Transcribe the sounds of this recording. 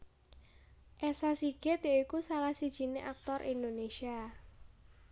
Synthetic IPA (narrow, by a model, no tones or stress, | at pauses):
ʔɛsasiɡ̥ɪt̪jaikusalahsid̥ʒ̥i̤nḛʔak̚t̪ɔrʔḭnd̪onesia